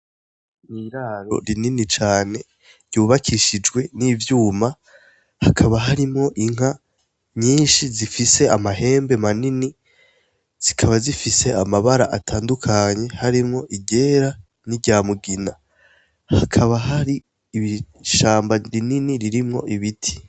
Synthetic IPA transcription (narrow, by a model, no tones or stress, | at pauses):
niɾaːɾo̞̰ɾininit͡ʃaːne̞ | ɾjuːβakʰiʃid͡ʒɡwe̞nivjuːma | hakʰaβaɦaɾimŋo̞ʔiŋ̥a | ɲiːnʃizifise̞amaɦe̞ːmbe̞manini | z̥ikʰaβazifise̞amaβaɾaʔatʰaːndukʰaɲe̞haɾimŋo̞ʔiɟe̞ɾa | niɟaːmuɡina | hakʰaβaɦaɾiː | βi | ʃaːmbaɾininiɾiɾimŋo̞̰ʔiβitʰi̥